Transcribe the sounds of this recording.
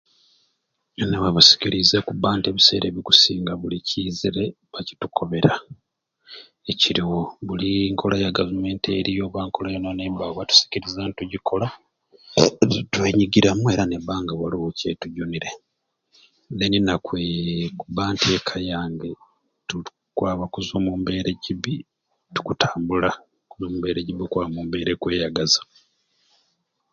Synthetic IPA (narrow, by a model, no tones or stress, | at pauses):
newaβusi̥kilizekubaːnte̞ːβise̞̰ːɾeβiku̥siːŋɡaβuliciːziɾe̞ | βaci̥tukʰo̞βe̞ɾa | eciɾiwoβuliŋkʰo̞lajaɡavume̞ːntḛɾijo̞ːβwaːŋko̞lajononeːmbawatu̥si̥ciɾizantuɟikʰo̞la | tweːɲiɡiɾamue̞ːɾaneβaːŋɡaβwaloβucetuɟuniɾe̞ | neninakwekuβaːntʰekʰajaːŋɡe | tu | kwaːβakuzomumbe̞ɾeɟiβi | tu̥kutaːmbula | kuzoːmumbe̞ːɾeɟiβikwaβamuːmbe̞ːɾekwe̞ːjaɡaza